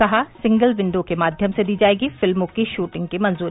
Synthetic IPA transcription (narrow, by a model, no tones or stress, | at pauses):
ɐɦasɪ̃ŋɡəlʋɪ̃nɖ̪õkemaːd̪ʱjəmsed̪iːd͡ʒaːeːɡifɪlmõkiʃuːʈɪ̃ŋɡ̚kemɐ̃nzuː